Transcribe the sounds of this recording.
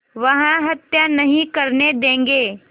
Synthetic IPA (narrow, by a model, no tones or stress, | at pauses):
ʋɐɦãɦɐt̪janɐɦĩkɐɾned̪ẽːŋɡeː